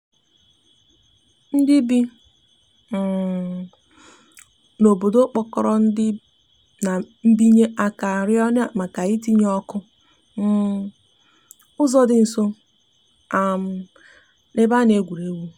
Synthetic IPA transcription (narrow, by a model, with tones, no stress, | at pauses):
n̩˦dɪ˦bi˦˨ | no˨bo˨do˦k͡pɔ˦kɔ˨ɾɔ˦n̩˦dɪ˦ | na˨ | m̩˦bi˦ɲe˦ʔa˨ka˨ɾjɔ˦n˦a˦˨ma˨ka˨i˦ti˦ɲ˦ɔ˦kʊ˦ | ʊ˦zɔ˦dɪ˦n̩˨so˦ | a˨m̩˦ | ne˦ba˦ne˦ɡʷu˨ɾe˦wu˦